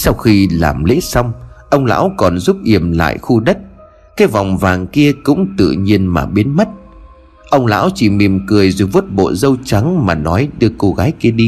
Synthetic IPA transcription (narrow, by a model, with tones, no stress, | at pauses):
sa˧wxi˧la̰ː˨˩mlḛ˧˥sa˧wŋ͡mʔə˧wŋ͡mla̰ː˧˥wkɔ˨˩nzu˦˥p̚ʔi˨˩əmla̰ː˧˨jxu˧ɗə˦˥t̚ | kaː˨˦jva˨˩wŋ͡mvaː˨˩ŋki˧əkʊ̰˧˥ŋ͡mt̪ɨ̰˧˨ɲi˧ənmaː˨˩ɓi˨˦ənmə˦˥t̚ | ʔə˧wŋ͡mla̰ː˧˥wt͡ɕi˨˩mi˨˩əmkɨ˨˩əjzo˨˩jvu˦˥ət̚ɓo̰˧˨zə˧wt͡ɕa˨˦ŋmaː˨˩nɔ˨˦jɗɨ˧əko˧ɣaː˨˦jki˧əɗi˧